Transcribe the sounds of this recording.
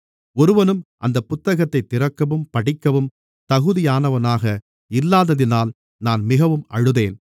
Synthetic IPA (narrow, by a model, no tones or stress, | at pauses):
ɔɾɯʋɐnɯmʔɐnd̪ɐpːʊt̪ːɐɣɐt̪ːɐɪt̪ːɪɾɐkːɐʋɯmpɐɽɪkːɐʋɯm | t̪ɐɣɯðɪjaːnɐʋɐnaːɣɐ | ɪlːaːðɐðɪnaːl | naːnmɪɣɐʋɯmɐɻɯðeːn